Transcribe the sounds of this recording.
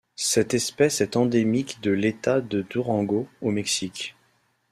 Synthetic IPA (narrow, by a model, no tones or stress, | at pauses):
sɛt̪ɛspɛsɛt̪ɑ̃d̪emikd̪əlet̪ad̪əd̪uʁɑ̃ɡoomɛksikʲ